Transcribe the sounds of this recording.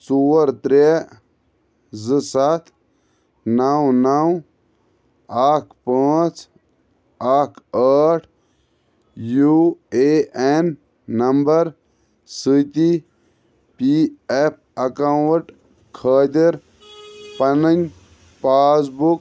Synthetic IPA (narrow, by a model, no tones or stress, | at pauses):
suːɾt̪ɾe | zɨsat̪ʰ | nawnaw | aːkʰpaːt͡s | aːkʰəːʈʰ | jueenː | ɐmbɐɾ | sit̪i | piep̚ʰɐkawʈ | kʰəːt̪iɾ | pɐnənʲ | paːs̬buk̚